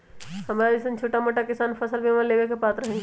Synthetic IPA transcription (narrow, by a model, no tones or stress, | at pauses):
hɐmɾaɪsənt͡ʃʰoːʈamoʈakɪsaːnpʰɐsəlbʱimaleːʋekepaːt̪ɾɐɦẽːɡe